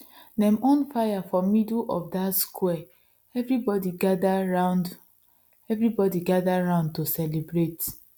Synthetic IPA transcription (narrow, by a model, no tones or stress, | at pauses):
nɛ̃mõnfajafɔmidʔɔ̰fdatskʰwɛ | ɛvɹibɔdiɡadaaʊnd | ɛvɹibɔdiɡadaɹãʊ̃nd̚tosɛlebɹet